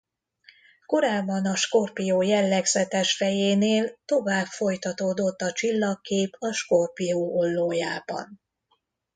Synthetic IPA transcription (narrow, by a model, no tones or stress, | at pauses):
ko̞ɾaːbːɒnɒʃko̞rpijoːjɛlːɛɡzɛt̪ɛʃfɛjeːneːlt̪o̞vaːpfo̞jt̪ɒt̪oːd̪o̞t̪ːɒt͡ʃilːɒkːeːpʰɒʃko̞rpijoːʔolːoːjaːbɒ̰n